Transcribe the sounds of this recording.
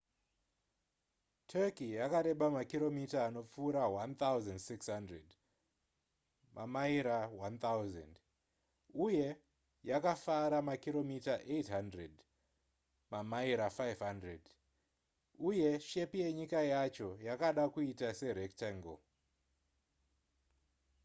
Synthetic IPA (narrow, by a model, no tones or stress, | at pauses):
tʰekijakaɾe̞ɓamakiɾo̞mitaːno̞p͡fuːɾawant̪awzandsikshandred | mʔamaiɾawant̪awzḛnd | uje̞ | jakafaɾamakiɾo̞mitaʔetɦandred | mamaiɾafajvɦandred | uje̞ʃe̞pije̞ɲikajat͡ʃo̞jakaɗakuitase̞ɾektaŋɡo̰